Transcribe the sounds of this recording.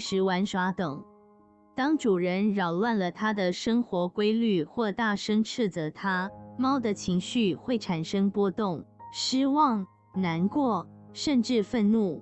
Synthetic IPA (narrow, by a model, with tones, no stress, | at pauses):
ʂɻ̩˧˥wa˧˥nʂwa˧˥t̪ɤ˨˩ŋ | t̪ɑ˥ŋʈ͡ʂu˨˩ɻə˧˥nɻɑ˨˩ʊlwa˥˩nlə˩t̪ʰa˥d̪ə˨ʂɤ˥ŋxwɔ˧˥kwe˥ɪly˥˧xwɔ˥˧t̪a˥˩ʂɤ˥ŋʈ͡ʂʰɻ̩˥˩d͡zə˨˩t̪ʰa˥mɑ˥ʊd̪ə˨t͡ɕʰi˧˥ŋɕy˥˧xwe˥˩ɪʈ͡ʂʰa˨˩nʂɤ˥ŋpwɔ˥t̪ʊ˥˩ŋʂi˥wɑ˥˩ŋ | na˧˥nkwɔ˥˩ʂə˥˧nʈ͡ʂɻ̩˥˧fə˥˧nnu˥˩